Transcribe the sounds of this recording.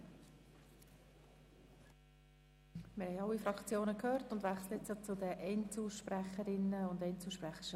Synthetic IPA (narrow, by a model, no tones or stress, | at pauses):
mɪɾhɛɪɑlːifɾɑkt͡sjoːnəkʰøːrtʊndvʋæχsləɪt͡sjot͡sʊdəʔɛnt͡suːʃpræχəɾɪnːəʊndɛɪnt͡suːʃpræχə